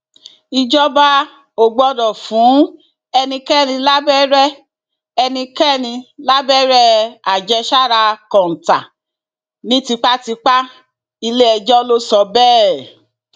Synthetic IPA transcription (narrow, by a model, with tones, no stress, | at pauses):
i˧d͡ʒɔ˦ba˦ | o˨ɡ͡bɔ˨˧dɔ˨fũ˨˦ | ɛ˧nĩ˧kɛ˦˨nĩ˧la˦bɛ˦ɾɛ˦ | ɛ˧nĩ˧kɛ˦˨nĩ˧la˦bɛ˦ɾɛ˦a˨d͡ʒɛ˧ʃa˦˨ɾa˧kɔ̃˨n̩˨ta˨ | nĩ˨˦ti˧k͡pa˦ti˧k͡pa˦ | i˧le˦ɛ˧d͡ʒɔ˦lo˦sɔ˧bɛː˦˨